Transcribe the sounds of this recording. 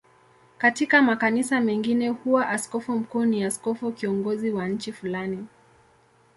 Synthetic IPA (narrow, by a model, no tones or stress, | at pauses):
katikamakanisamɛŋɡinɛhuwaʔaskɔfum̩kuːniaskɔfukiɔŋɡɔziwanɲ̩t͡ʃifulani